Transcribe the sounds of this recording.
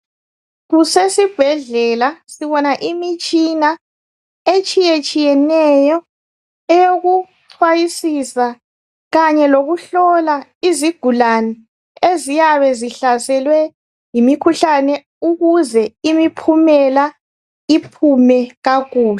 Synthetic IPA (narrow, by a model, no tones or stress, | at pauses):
ɣusesib̥ʱɛɮɛlasiβɔnaʔimit͡ʃʼina | et͡ʃʼijet͡ʃʼijɛnɛjɔ | ɛjoɣu | ǀʰwajisisa | ɣaɲɛloɣuɬɔlaiziɡ̥ʱulanɛ | ezijaβɛziɬasɛlwɛ | jimikʰuɬanɛ | uɣuzɛimipʰumɛla | ipʰumɛɣaɣuːlɛ